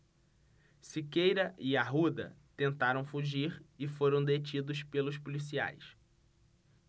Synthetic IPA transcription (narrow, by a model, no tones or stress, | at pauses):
sikejɾɐʔɪaɦud̪ɐ̰t̪ẽnt̪aɾɐ̃w̃fuʒiɾɪfoɾɐ̃w̃d̪et͡ʃid̪ʊspelʊspulisia̰js